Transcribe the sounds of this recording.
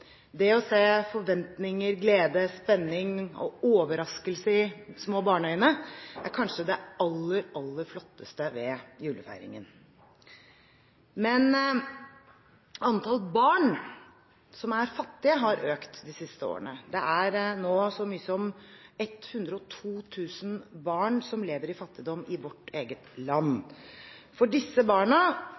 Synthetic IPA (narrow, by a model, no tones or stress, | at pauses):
d̪ɛɔseːfɔɾʋɛnt̪nɪŋəɾɡleːd̪əspɛnːɪŋɔ̰oːʋəɾɑskəlsəɪsmoːbɑːɳœʏənəʔæ̰ɾkʰɑnʂəd̪ɛɑlːəɾɑlːəɾflɔt̪ːəst̪əʋɛjʉːləfæ̰ɪɾɪ̰ŋə̰n | mɛn | ɑnt̪ʰɑlˠbɑːɳ | sɔmæɾfɑt̪ːɪəɦɑɾʔøːkt̪d̪ɪsɪst̪əo̰ːɾə̰nəd̪ɛʔæɾnoːsɔmyːəsɔmɛt̪hʉnd̪ɾəɔt̪ʰuːt̪ʰʉːsənbɑːɳsɔmleːʋəɾɪfɑt̪ːɪd̪ɔmːɪʋɔʈːeːɡət̪lɑnː | fɔɖɪsːəbɑːɳə